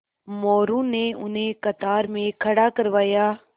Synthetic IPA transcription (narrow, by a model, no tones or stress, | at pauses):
mɔːɾũneʊnɦẽkɐt̪aːɾmẽkʰɐɽakɐɾʋaːjaː